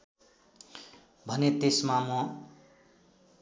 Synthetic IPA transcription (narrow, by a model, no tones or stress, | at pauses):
bʱʌnet̪esmamʌ